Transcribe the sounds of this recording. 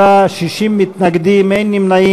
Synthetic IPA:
aʃiʃimːit̪naɡd̪imejnːimnaji

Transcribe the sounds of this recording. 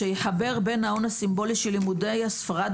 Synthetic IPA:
ejeħabe̞ʁbe̞nao̞nasimbo̞liʃelːimude̞jasfaʁad

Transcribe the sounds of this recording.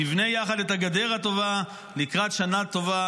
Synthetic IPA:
ivne̞jaχad̪et̪haɡad̪e̞ʁat̪o̞va | likʁat̪ʃanat̪o̞va

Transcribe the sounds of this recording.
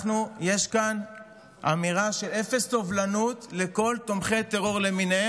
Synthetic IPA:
nuje̞ʃkan | a̰miʁaʃe̞le̞festo̞vlanut̪le̞ko̞lt̪o̞mχe̞jt̪e̞ʁo̞ʁle̞mine

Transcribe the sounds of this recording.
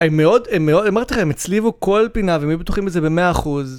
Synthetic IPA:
emːeo̞d̪emːeo̞damaʁt̪iχaemet͡slivuko̞lpinavemjubet̪uχimbezebe̞meaːχuz

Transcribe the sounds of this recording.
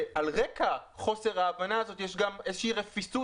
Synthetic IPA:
alʁekaχo̞se̞ʁaːvanaːzo̞tjeʃɡame̞zeʃeiʁefisu

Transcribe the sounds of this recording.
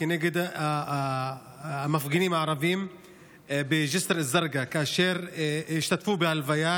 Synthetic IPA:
ɪneɡɪd̪ | mafɡiniːmaʕɾˤɑviːm | bɪʒɪsɾazːɑɾˤɡakaʔaʃeːɾjɪʃt̪at̪fuːbɪhalvajaː

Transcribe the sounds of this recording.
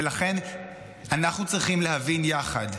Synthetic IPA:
elaχe̞n | anaχnut͡sʁiχimleɦavinjaχad

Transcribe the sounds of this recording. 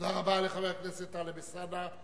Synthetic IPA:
daʁabaleχaveakneset̪alebesana

